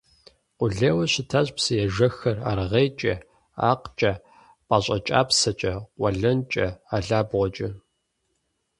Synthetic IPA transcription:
qʷʊɮeːwɐɕɪtʰaːɕʼpsɨjɛʒɐxɐra̰ːrʁejt͡ʃʼɐ | a̰ːqt͡ʃʼɐ | pʼaɕʼɐt͡ʃʼa̰ːpsɐt͡ʃʼɐqʷɐɮɐnt͡ʃʼɐaːɮaːbʁʷɔt͡ʃʼɐ

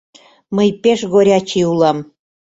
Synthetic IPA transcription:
məjpeʃɣoɾʲɑt͡ɕiulɑm

